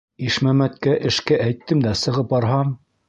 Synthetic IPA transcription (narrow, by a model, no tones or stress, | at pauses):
iʃmæmæt̪kæʔɘ̆ʃkæʔæjt̪ːɘmd̪æsɤ̆ʁɤp̚bɑɾɦɑm